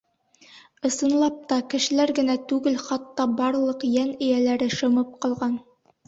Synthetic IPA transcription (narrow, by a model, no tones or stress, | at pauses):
ɤ̆sɤ̆nlˠɑp̚t̪ɑkɘ̆ʃɘ̆læɾɡɘ̆næt̪ʉɡɘlχɑt̪ːɑbɑɾlˠɤqjænɘ̆jælæɾɘʃɤ̆mɤp̚qɒlˠʁɑn